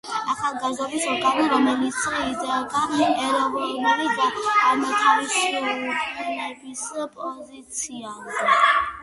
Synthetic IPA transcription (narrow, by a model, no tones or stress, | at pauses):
aχalˠɡazd̪ɔbisɔkʰaliɾɔmɛlit̪sʰizɛd̪aɛɾɔvɔɾmɛlid̪aːmaɡ̪aɾiʃiukʼmɛnɛbispʼɔzit̪sʰiazɛ